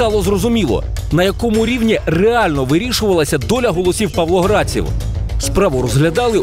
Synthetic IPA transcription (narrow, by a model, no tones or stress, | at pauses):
ɑlˠɔzrɔzʊmʲilˠɔ̰ | nɐjɐkɔmʊɾʲiwnʲireɑlʲnɔʋɪɾʲiʃʊʋɐlˠɐsʲɐd̪ɔlʲɐɦɔlˠɔsʲiwpɐʋlˠɔɦɾɑt͡sʲḭwspɾɑʋʊrɔzɦlʲɐd̪ɑlˠɪ